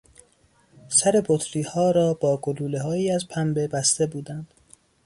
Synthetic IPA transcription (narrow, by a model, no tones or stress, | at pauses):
sæɾe̞bot̪ʰɾiːhɒːɾɒːb̥ɒːɡoluːle̞ɦɒːjiːæzpʰæmbe̞bæst̪e̞buːd̪ænd̪̥